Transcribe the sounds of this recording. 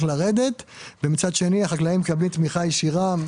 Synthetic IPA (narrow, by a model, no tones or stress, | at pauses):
laʁe̞d̪e̞t̪vemit͡sad̪ʃe̞niaχaklaimkablimt̪miχajeʃiʁa